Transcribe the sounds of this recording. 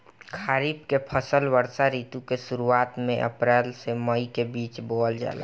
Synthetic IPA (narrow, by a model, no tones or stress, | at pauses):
kʰaːɾiːbkepʰəsəlʋəɾsaɾiːt̪ũkesʊɾuaːt̪mẽʔə̰pɾɛːlseməikebiːt͡ʃboːld͡ʒa̰ːla̰